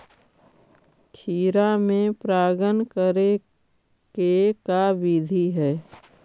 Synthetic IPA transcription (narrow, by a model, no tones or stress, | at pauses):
kʰiːɾamẽpɾaːɡənkəɾe | kekabid̪ʱiɦɛː